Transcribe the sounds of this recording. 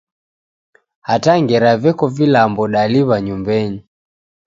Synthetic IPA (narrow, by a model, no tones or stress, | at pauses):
hataŋɡɛɾavɛkɔvilambɔɗaliβaɲumbɛɲi